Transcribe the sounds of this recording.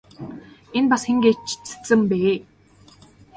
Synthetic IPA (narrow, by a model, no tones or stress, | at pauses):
enpasxeŋɡeːt͡ɕʰt͡sɘ̥t͡sɘ̆mpeː